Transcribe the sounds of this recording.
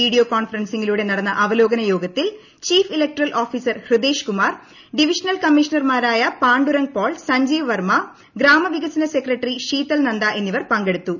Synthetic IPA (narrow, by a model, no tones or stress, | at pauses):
iːɽijoːkoːnfɐrɐnsiŋːiluːɽe̞nɐɽɐnːɐʔɐʋɐlo̞ːɡɐnɐjo̞ːɡɐt̪ːil | t͡ɕiːfilek̚ʈrɐlʔoːfiːsɐrhrɨd̪eːʂkumaːr | ɖiʋiʂɐnɐlkɐmːiʂɐnɐrmaːɾaːjɐpaːɳɖuɾɐŋ̚poːɭsɐɲd͡ʑiːʋʋɐrmɐ | ɡɾaːmɐʋiɣɐsɐnɐse̞krɐʈːriʂiːt̪ːɐlnɐnd̪aʔe̞nːiʋɐrpɐŋɡe̞ɽut̪ːu